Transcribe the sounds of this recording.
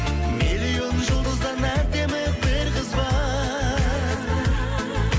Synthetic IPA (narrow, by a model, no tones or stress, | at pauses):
melijo̞nʒəlˠd̪əzd̪ɑnæd̪e̞mɪbɪɾqəzbɑ